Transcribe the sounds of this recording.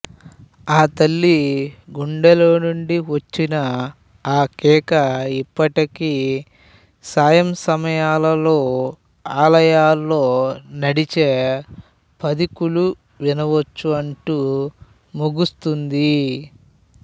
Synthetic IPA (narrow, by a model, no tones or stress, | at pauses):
aːt̪ɐlːiɡuɳɖɐlo̞ːnuɳɖiʋɐt͡ʃːinɐ | aːkɛːkɐipːɐʈiki | saːjɐmsɐmɐjaːlɐlo̞ː | aːlɐjaːlːo̞ːnɐɽit͡ʃeː | pɐd̪ikulu | ʋinɐʋɐt͡ʃːuɐɳʈu | muɡust̪und̪i